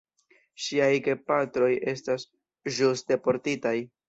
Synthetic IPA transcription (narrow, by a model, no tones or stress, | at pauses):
ʃiajɡe̞patɾo̞je̞stas | ʒuste̞po̞ɾtitaj